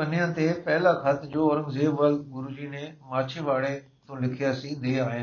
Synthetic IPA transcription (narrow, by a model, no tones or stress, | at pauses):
pɐnijãt̪epɛɦɪlakʰɐt̪d͡ʑoːɐɾə̃ŋɡzeːbʋəlɡʊɾud͡ʑinẽmaːt͡ʃʰeʋaːɽe | t̪õlɪkʰijaːsid̪eːaːɦɪn